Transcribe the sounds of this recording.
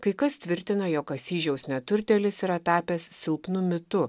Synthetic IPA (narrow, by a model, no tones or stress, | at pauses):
kɐɪkɐst̪ʲʋʲɪɾʲt̪ʲɪnɐjoːkɐsʲiːʒʲɛʊsnʲɛt̪ʊɾʲt̪ʲɛlʲɪsɪɾɐt̪ɑːpʲeːssʲɪlˠpnʊmʲɪt̪ʊ